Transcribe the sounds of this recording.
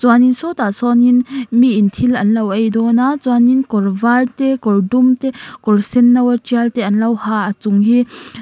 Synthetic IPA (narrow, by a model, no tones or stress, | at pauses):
t͡swaninsɔt̪asɔninmiʔːnt̪ʰilɐnlɐwʔɐjd̪ɔnat͡swaninkɔrvalt̪ɛkɔrdumt̪ɛkɔrsɛnːɐwɐt͡ʃialt̪ɛʔɐnlɐwhaʔat͡suŋɦi